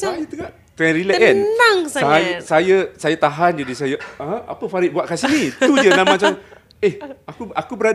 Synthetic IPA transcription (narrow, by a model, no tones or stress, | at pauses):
ajat̪əɡaʔ | t̪ɾɛɾilɛʔɛnaŋsajsajasajat̪aɦand͡ʒadisajãa̰pəfaɾɪʔ̚buaʔ̚kasinĩt̪ud͡ʒənamat͡ʃam | ehakuakubəɾada